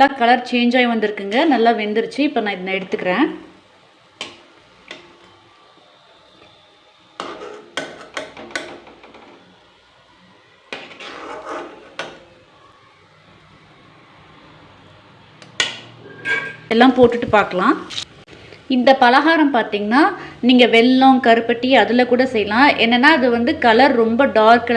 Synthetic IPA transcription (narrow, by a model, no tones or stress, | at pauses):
lːaːkɐlɐɾt͡ʃeːɲd͡ʒaːjʋɐnd̪ɪɾɯkːɯŋɡɐnɐlːaːʋɛnd̪ɪɾɯt͡ʃːɯɪpːoːnãːɪðnɛɽɯt̪ːɯkːɪɾẽː | ɛlːãːpoːʈːɯʈːɯpaːɾkɐlãː | ɪnd̪ɐpɐlɐɣaːɾɐmpaːɾt̪iːŋɡɐnːaːniːŋɡɐʋɛlːõːŋkɐɾɯpːɐʈːiɐðɯlɐkuːɽɐsɛjːɐlãːʔɛnːɛnːaːɐðɯʋɐnd̪ɯkɐlɐɾɾɔmbɐɖaːɾkɐ